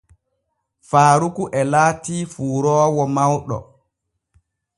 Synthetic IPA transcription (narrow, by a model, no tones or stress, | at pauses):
faːɾukuʔɛlaːtiːfuːɾɔːwɔmawɗɔ̰